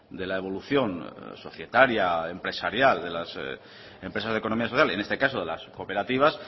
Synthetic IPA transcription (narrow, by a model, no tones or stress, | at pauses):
d̪e̞lae̞βo̞luθjo̞nso̞θje̞t̪aɾjaempɾe̞saɾjald̪e̞las | e̞mpɾesazðekono̞miasoθjale̞nest̪e̞kasoð̞elaskope̞ɾat̪iβ̞as